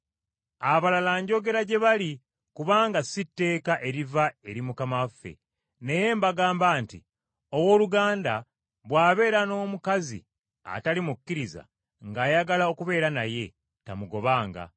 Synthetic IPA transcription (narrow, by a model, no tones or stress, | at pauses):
aβalalaɲɟo̞ɡe̞ɾaɟe̞βali | kuβaːŋɡasitːe̞ːkaʔe̞ɾivae̞ɾimukamafːe̞̰ | ne̞je̞ːmbaɡaːmbaːntḭ | owo̞ːluɡaːnda | βwaːβe̞ːɾano̞ːmukazḭ | a̰talimukːiɾiza̰ | ŋɡaːjaɡalao̞kuβe̞ːɾanaje̞ | tamuɡo̞βaːŋɡa̰